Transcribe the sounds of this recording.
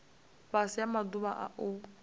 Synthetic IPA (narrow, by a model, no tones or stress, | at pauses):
ɸasijamaduβaʔa̰ʔʊ